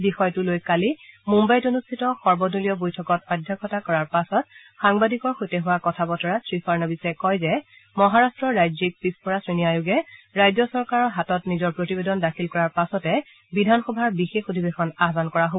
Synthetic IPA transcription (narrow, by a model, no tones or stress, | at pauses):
bixɔjtʊlojkalimumbajtonustʰitɔxɔɹbɔdulijɔbojtʰɔkɔtɔdʱːakʰɔtakɔɹaɹpasɔt̚ | xaŋbadikɔɹxojtɛɦʊwakɔtʰabɔtʰɔɹasɹifaɹnabisɛkɔjzɛ | mɔɦaɹastɹɔɹajzik̚pispɔɹasɹiniajuɡɛɹajzɔsɔɹkaɹɔɹɦatɔtnizɔɹpɹotibedɔndakʰilkɔɹaɹpasɔtɛ | bidʱanxɔbʱaɹbixexodʱibexɔnaɦbankɔɹaɦo